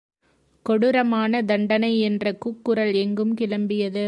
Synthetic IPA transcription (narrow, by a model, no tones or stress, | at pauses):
kɔɽɯɾɐmaːnɐd̪ɐɳɖɐnɐɪɛndrɐkuːkːɯɾɐlɛŋɡɯmkɪlɐmbɪjɐðɯ